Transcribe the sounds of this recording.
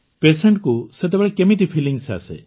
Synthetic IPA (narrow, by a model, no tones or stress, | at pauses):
pesəɳʈ̚kuset̪̬ebeɭekemit̪̬ipʰiliŋɡsa̰sḛ